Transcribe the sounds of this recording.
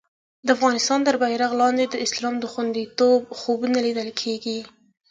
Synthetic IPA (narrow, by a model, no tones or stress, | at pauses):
d̪əafɣɑnɪst̪ɑnt̪əɾbajɾaɣlɑnd̪ed̪əɪslɑmd̪əxwand̪it̪obxobnalid̪əlkʰeɡi